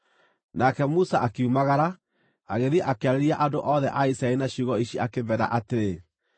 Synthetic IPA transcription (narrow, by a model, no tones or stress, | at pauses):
nakɛmusaʔakeumaɣaɾa | aɣeðɛʔakeaɾɛɾiaʔandoʔɔðɛʔaisaɛinaɕuɣɔiɕiakeβɛɾa̰ʔateɾe